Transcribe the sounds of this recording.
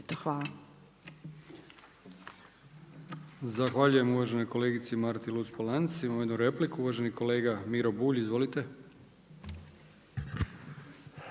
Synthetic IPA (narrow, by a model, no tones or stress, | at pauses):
t̪oxʋaːla | zaxʋaːʎuje̞muʋaʒe̞no̞jko̞le̞ːɡit̪simaɾt̪ilˠut̪spolansimamojd̪nuɾe̞plikuuʋaʒe̞niko̞le̞ːɡamiɾo̞buːʎizʋo̞lit̪e̞